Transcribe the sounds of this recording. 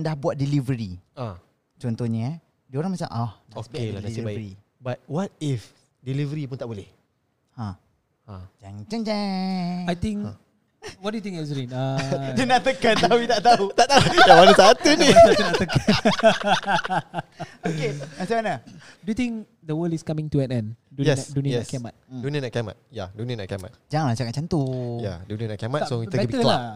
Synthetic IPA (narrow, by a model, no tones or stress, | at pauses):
ndahbuat̪̚dilivəɾia | t͡ʃɔnt̪ɔhɲə | dəoɾaŋmat͡ʃamʔahdaokaaibaɾi | bat̚wat̚if | dilivəɾipʊnt̪aʔbolɛh | ã | ãd͡ʒaŋt͡ʃaŋd͡ʒɛ̃ajt̪ĩŋ | wɔdujut̪ĩŋɛsɾinadunaʔt̪əkənt̪auit̪aʔt̪aut̪aʔt̪aujawanəsat̪unit̪unaʔt̪əkən | okeasamanə | dujut̪ĩŋ | d̪əwəldiskamĩŋtuɛtɛ̃ndujɛduniənsʔkɛmat̪̚duniənaʔkama̰t̪̚jaduniənaʔkama̰t̪̚d͡ʒaŋanlaht͡ʃakaʔ̚t͡ʃant̪oja̰dunənaʔkamatsoiəbɛbiəla